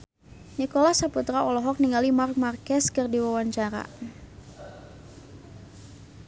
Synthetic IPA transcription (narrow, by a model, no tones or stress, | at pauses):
nikɔlasaput̪ɾaɔlɔɦɔk̚niŋɡalimark̚markɛskɨrdiwawaɲt͡ʃaɾa̰